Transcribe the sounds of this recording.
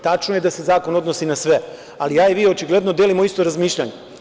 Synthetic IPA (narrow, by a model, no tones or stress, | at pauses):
t̪at͡ʃnojed̪ase̞zaːko̞no̞d̪nosinasʋe | alijaːiʋiːo̞t͡ʃiɡle̞d̪no̞d̪elimo̞ist̪oɾazmiːʃʎa̰ɲe